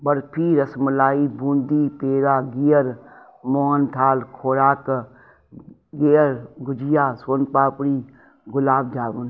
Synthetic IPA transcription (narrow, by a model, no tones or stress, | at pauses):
bəɾpʰiːɾɐsməlaːibũːnd̪ipeːɾaːɡijəɾ | moːɦənt̪ʰaːlkʰoːɾaːk | ɡejəɾɡʊd͡ʒijaːswənpaːpɽiː | ɡʊlaːb̚d͡ʒaːbun